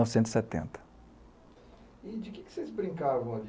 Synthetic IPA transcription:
ɔvsẽt̪zi̥sɛt̪ḛ̃nt̪ɐ̥ | id͡ʒɪkɪkɪ̥sejzbɾĩŋkavɐ̃w̃ɐd͡ʒ

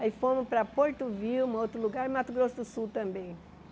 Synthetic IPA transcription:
aifõmʊpɾɐpoɾt̪ʊviwmot̪ɾʊluɡaɾ̃mat̪ʊɡɾosʊd̪ʊsuwt̪ɐ̃mbẽj̃

